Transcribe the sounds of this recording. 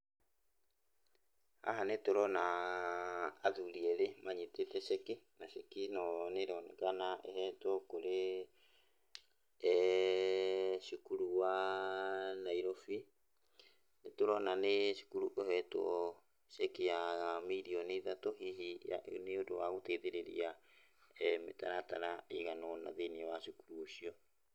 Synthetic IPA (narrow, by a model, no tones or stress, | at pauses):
a̰ɦanetoɾɔna | ðuɾiɛɾemaɲetetɛʃɛkinaʃekinɔneɾɔnɛkanaʔehɛtwɔkoɾe | ʃukuɾuwa | naiɾɔfi | netoɾɔnaneʃu̥kuɾuʔohɛtɔ̰ | sɛkijaɣamiɾiɔneðatoɦiɦija̰neodowaɣotɛiðeɾeɾḭa | ɛmḛtaɾataɾaiɣanɔna̰ðeniawaʃukuɾuoʃiɔ